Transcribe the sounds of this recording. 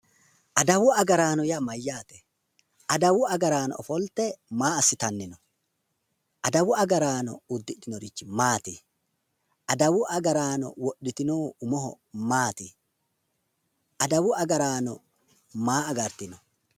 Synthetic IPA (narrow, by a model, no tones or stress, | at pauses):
ʔɐd̪ɐwʊɐɡɐɾaːnɔjamɐjːaːt̪ɛ̥ | ʔɐd̪ɐwʊɐɡɐɾaːnɔ̰ɔfɔlt̪ɛmaːɐsːɪt̪ɐnːɪnɔ | ʔɐd̪ɐwʊɐɡɐɾaːnɔ̰ʊd̪ːɪᶑɪnɔɾɪt͡ʃːɪmaːt̪ɪ | ɐd̪ɐwʊʔɐɡɐɾaːnɔ̰wɔɗːɪt̪ɪnoːʊmɔɦɔ̰ | maːt̪ɪ | ʔɐd̪ɐwʊɐɡɐɾaːnɔ | maːɐɡɐɾt̪ɪnɔ